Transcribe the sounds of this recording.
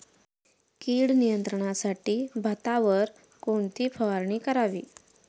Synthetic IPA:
kiːɽnijənt̪ɾəɳ̃asaʈiːbʱət̪aʋəɾ | koɳt̪ʰiːfʰəʋaɾɳ̃iːkəɾaʋiː

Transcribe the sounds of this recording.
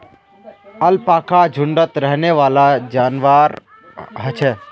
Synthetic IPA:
əlpaːkʰad͡ʒʱʊ̃ɳɖət̪ɾɛɦneʋaːlad͡ʒaːnʋaːɾ | ɦət͡ʃʰeː

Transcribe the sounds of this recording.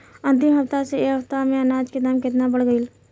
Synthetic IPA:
ə̃nt̪ɪmɦɐft̪aseeːɦəpt̪amẽənaːd͡ʒked̪aːmkɪt̪nabəɽɡəil

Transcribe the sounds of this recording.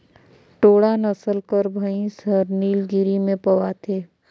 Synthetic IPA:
ʈoːɽanəsəlkəɾbʱəĩsəɾniːlɡɪɾimẽpəʋat̪ʰeː

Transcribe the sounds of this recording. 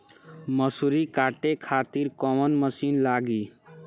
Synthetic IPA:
məsuɾikaːʈekʰaːt̪iɾkɔmənməsiːnlaːɡi

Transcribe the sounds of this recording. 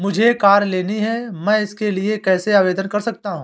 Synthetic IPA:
mʊd͡ʒʱekaːɾleːniɦɛmɛ̃ːɪskeliekɛːseaːʋeːd̪ənkɐɾsɐk̚t̪aɦũː

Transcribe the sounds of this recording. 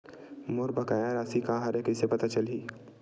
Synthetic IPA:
moɾbɐkaːjãɾaːsikãːɦaɾekəsepɐt̪at͡ʃɐliː

